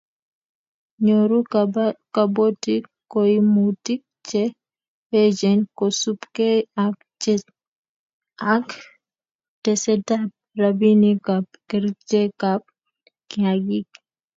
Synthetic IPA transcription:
ɲoɾukabotikːoimutik̚t͡ʃɛ | ed͡ʒɛnkɔsupkeakt͡ʃɛ | ak | tɛsɛtap̚rabinikap̚kɛɾt͡ʃekap̚ | kiaɡik

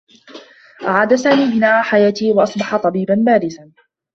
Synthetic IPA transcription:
ʔaʕaːd̪asaːmiːbɪnaːʕaːħajaːt̪iːwɑʔɑsˤbɑħɑt̪ˤɑbiːbanbaːɾɪsan

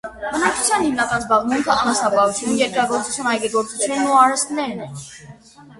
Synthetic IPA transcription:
bənɑk̚t͡ʃʰu̥t͡sʰjɑnhimnɑkɑnzbɑʁmuŋkʰəɑnɑsɑpɑɦut͡sʰjunjɛɾkɾɑɡɔɾt͡su̥t͡sʰjunhɑjɡɛɡɔɾt͡sut͡sʰjunːuɑɾɛst̪nɛɾnɛ

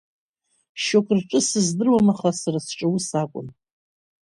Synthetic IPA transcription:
ʃokʷʰʼrʈ͡ʂʼɨsɨzdɨrwamaχasarasʈ͡ʂʼɨwusakʷʼʊ̰n

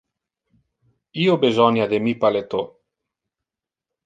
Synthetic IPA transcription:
iobezɔnjad̪emipalet̪o

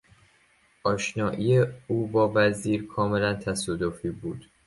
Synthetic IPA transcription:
ʔɒːʃnɒːʔiːeuːbɒːvæziːɾkʰɒːmelænt̪ʰæsɒːd̪ofiːbuːd̪̥

